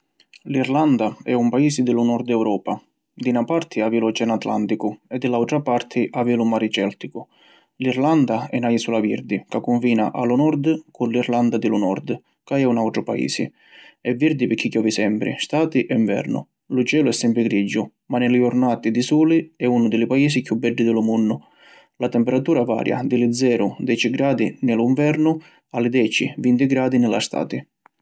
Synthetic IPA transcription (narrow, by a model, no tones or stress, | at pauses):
lirland̪aɛumpaiːsɪd̪ɪlʊnɔɾd̪ɛwɾɔːpa | d̪inapaɾt̪ʰɪavilʊt͡ʃɛnat̪la̰nt̪ikʊɛd̪ːɪlawt̪ɾapaɾt̪ʰɪʔavilʊmaɾit͡ʃɛlt̪ikʊ | liɾland̪aɛnajisulaviɾd̪ikakːuɱfiːnaʔalunɔɾd̪kʊnliɾland̪ad̪ɪlunɔ̰rd̪ | kaɛunawʈ̪ɾʊpaḭːsɪ̰ | ɛvːiɾd̪ipɪkʰːikjɔːvisɛmpɾɪ̰st̪aːt̪iʔɛiɱvɛ̰ɾnʊ̰ | lʊt͡ʃɛːlʊɛsːɛmpɾɪɡɾid͡ʒːʊ | manɪlɪɔɾnaːt̪id̪ɪsuːliɛunʊd̪ɪlɪpaiːsikjubːɛɖːɪd̪ɪlʊmunːʊ | lat̪ɛmpɛɾat̪uːɾava̰ːɾja̰d̪ɪlɪd̪zɛːɾʊd̪ɛːt͡ʃiɡɾaːd̪inɪlʊiɱvɛɾnʊ | alɪd̪ɛːt͡ʃḭvint̪iɡɾaːd̪inɪla̰st̪a̰ːt̪i